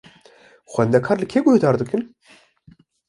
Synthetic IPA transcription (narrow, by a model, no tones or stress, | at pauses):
xwɛnd̪ɛkʰaːɾlɨkʰeːɡʊhd̪aːɾd̪ɨkɨn